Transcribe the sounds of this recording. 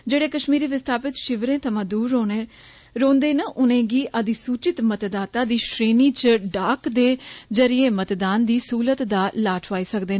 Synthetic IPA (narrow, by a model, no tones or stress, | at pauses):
d͡ʒeːɽeːkəʃmiːɾiːʋɪst̪ʰaːpɪt̪ʃɪʋɾẽːt̪ʰəmãːd̪uːɾːoːneː | ɾõːnd̪eːnaʔʊnẽːɡiːʔəd̪iːsuːt͡ʃɪt̪mət̪d̪aːt̪aːd̪iːʃɾeːniːt͡ʃɖaːkd̪eːd͡ʒəɾɪẽːmət̪d̪aːnd̪iːsuːlət̪d̪aːlaːʈʰʋaːiːsəkd̪eːn